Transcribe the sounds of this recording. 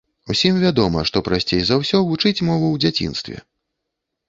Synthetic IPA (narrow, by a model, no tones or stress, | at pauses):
usʲimvʲad̪ɔmɐʂt̪ɔpɾasʲt͡sʲejzawsʲɔvut͡ʂɨt͡sʲmɔvuwd͡zʲat͡sʲḭnst̪vʲɛ̰